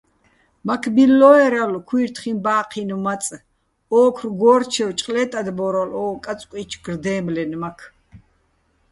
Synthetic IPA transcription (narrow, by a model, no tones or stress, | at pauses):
makʰbilːɔɛɾalkʰwiːɾt̪ʰχinbaːqʰinumat͡sʼ | ɔːkʰrɡɔːɾt͡ʃʰɛwt͡ʃʼqʼlɛt̪ʼad̪bɔɾalɔːkʼat͡sʼkʼit͡ʃʰɡ̥rd̪ɛːmlɛnmakʰ